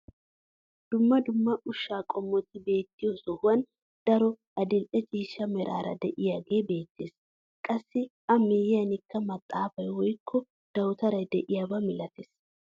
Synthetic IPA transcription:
d̪̥ʊmːɐd̪ʊmːɐʔʊʃːaːkʼɔmːɔt̪ːɪbe̞ːt̪ːɪjɔsɔhʊwɐn | d̪̥ɐɾɔ | ʔɐd̪ɪlʔɛt͡ʃʼiːʃːɐmɛɾa̰ːɾɐ̰d̪ɛʔɪjaːɡe̞ːbe̞ːt̪ːe̞ːs | kʼɐsːɪʔɐmeːjɪjɐnɪkːɐmɐt̪ʼːaːfɐjwɔjkʰːɔ | d̪̥ɐwt̪ɐɾɐjd̪ɛʔɪjaːbɐmɪlɐt̪eːs

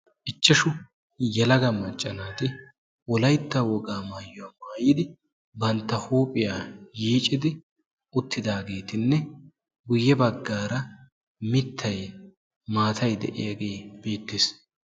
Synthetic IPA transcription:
ʔɪt͡ʃːɐʃʊ | jɛlɐɡɐmɐt͡ʃʼːɐnaːt̪ɪ | wɔlɐjt̪ːɐwɔɡaːmaːjːʊwaːmaːjɪd̪ɪ | bɐnt̪ːɐhuːpʼɪjaːjiːt͡ʃʼːɪd̪ɪ | ʊt̪ːɪd̪aːɡe̞ːt̪ɪnːɛ | ɡʊjːɛbɐɡːaːɾɐ | mɪt̪ʰːɐj | maːt̪ʰɐjd̪ɛ̰ʔɪjɐɡe̞ːb̥e̞ːt̪ːeːs

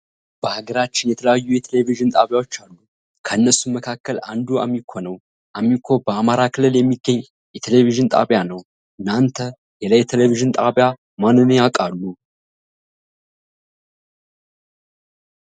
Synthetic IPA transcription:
b̥əhaɡəɾat͡ʃːɪnjɛt̪ʰələjajːujɛt̪ʰeleviʒɨnt̪ʼaβjawo̞t͡ʃːalːu | kʰəɨnːəsuməkʰakːəla̰nd̪ua̰mːikʰːo̞nəw | ʔamːikʰo̞bəamaɾakʰɨlɨljɛmːiɡəɲː | jɛt̪ʰeleviʒɨnt̪ʼa̰βjanəw | ʔɨnːant̪ʰə | jɛləjɛt̪ʰeleviʒɨnt̪ʼaβja | manːɨnjakʼalːu

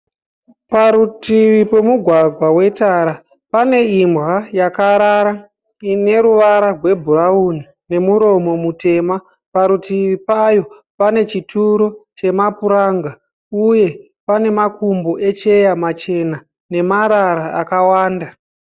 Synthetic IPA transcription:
paɾutiʋipe̞muɡʱwaɡʱwawe̞taɾa | pane̞imbɣajakaɾaɾa | ine̞ɾuʋaɾarwe̞bʱurauni | ne̞muɾo̞mo̞mute̞ːma | paɾutiʋipajo̞ | pane̞t͡ʃitʰuɾo̞t͡ʃe̞mapuɾaːŋɡa | uje̞ | pane̞makumbo̞ʔe̞t͡ʃe̞jamat͡ʃe̞na | ne̞maɾaɾaa̰kawaːnda

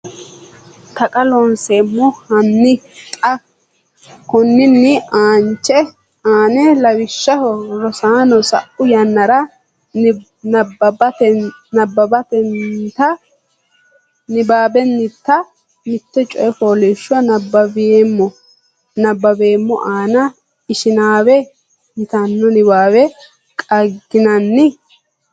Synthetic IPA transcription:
t̪ɐkʼɐlɔnseːmːɔhɐnːɪt̪ʼɐ | kʊnːɪnːɪaːnt͡ʃːɛ | aːnɛlɐwɪʃːɐhɔɾɔsaːnɔsɐ̰ʔʊjɐnːɐɾɐ | nbɐbɐt̪ɛnɐbːɐbɐt̪ɛnt̪ɐ | nɪbaːbɛnːɪt̪ːɐ | mɪt̪ːɛt͡ʃʼɔjɛfoːleːʃːʊɐnɐbɐbemːɔ | nɐbːɐbeːmːɔʔaːnɐ | ɪʃɪnaːwɛ | nɪt̪ɐnːɔnɪbaːbɛ | kʼɐɡːɪnɐnːɪ

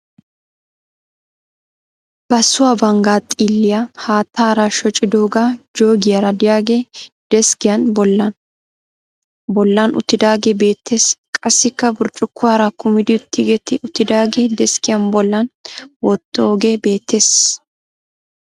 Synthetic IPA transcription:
b̥ɐsʊwaːbɐŋɡaːt̪ʼiːlːɪjahaːt̪ːaːɾɐʃɔt͡ʃʼɪd̪oːɡaːd͡ʒo̞ːɡɪjɐɾɐd̪ɪjaːɡeː | d̪̥ɛskɪjɐnbɔlːɐn | bɔlːɐnʔʊ̰t̪ːɪd̪aːɡebe̞ːt̪ːe̞ːskʼɐsːɪkːɐbʊɾt͡ʃʼʊkːʊwaːɾɐkʊmɪd̪ɪʊt̪ːɪɡɛt̪ːɪʔʊt̪ːɪd̪aːɡeːd̪ɛskɪjɐnbɔlːɐnwɔt̪ʼːoːɡebe̞ːt̪ʰːe̞ːs

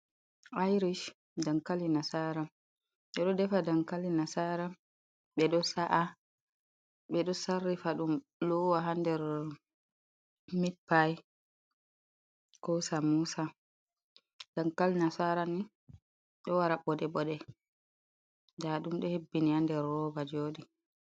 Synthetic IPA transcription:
ajɾiʃ | dankalinasaɾa | ɓɛɗɔdɛfadankalinasaɾa | ɓɛɗɔsaʔa | ɓɛɗɔsarːifaɗum | lɔwaɦandɛɾ | mipːaj | kɔwsamuːsa | d̥ankalnasaːɾani | ɗɔwaɾaɓɔdɛɓɔɗɛ | daɗumɗɔhebːinihandɛɾːɔbad͡ʒoːɗi

